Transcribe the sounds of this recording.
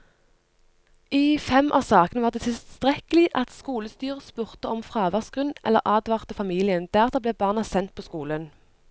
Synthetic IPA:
ʔiːfɛmʔɑ̰sɑːkənəʋɑːʁd̪eːt̪ʰɪlst̪ʁɛkəlɪʔɑt̪skuːləst̪yːʁəspʉʁt̪əɔmfʁɑːʋæʁsɡ̥ʁʉnʔɛ̰lːə̰ʁʔɑːd̪ʋɑːʁt̪əfɑmiːlɪənd̪̥æʁt̪əbleːbɑːʁnɑsɛnt̪̚pʰoːskuːlən

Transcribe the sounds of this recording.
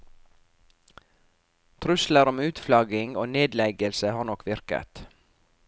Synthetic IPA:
t̪ʰɾʉsləɾɔmʉːt̪flɑɡɪŋoːneːd̪lɛɡəlsəhɑːɳɔkʋɪɾkə̰t̪

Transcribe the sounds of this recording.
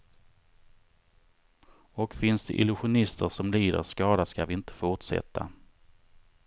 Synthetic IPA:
ɔkfɪnsd̪ɛ̰ʔɪlɵɧʊnɪst̪əɾʂɔmliːd̪ə̰ɾskɑːd̪askavɪɪnt̪ʰə̥fʊʈʂɛ̰t̪ʰːa̰

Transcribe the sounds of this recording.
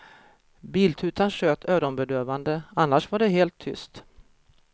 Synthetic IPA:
biːlt̪ʰʉ̟ːt̪anɕøːt̪ʰøːɾɔnbɛd̪øːvand̪əanːaʂvaɖɛɦeːlt̪ʰːʏ̰st̪

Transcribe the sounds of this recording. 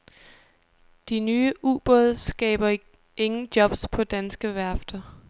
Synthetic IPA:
d̥inyːəʔṵːb̥ɔðˠsɡ̥ɛ̰ːb̥ɐ | e̝ŋn̩d̥jɒ̽b̥spʰɒ̽d̥ænsɡ̥əʋæɐfd̥ɐ

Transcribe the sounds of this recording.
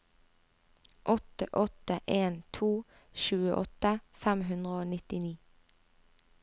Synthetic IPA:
ʔɔt̪əʔɔt̪əʔeːnt̪ʰuː | ʃʉːəʔɔt̪əfæmɦʉnd̪ʁəoːnɪt̪ɪniː

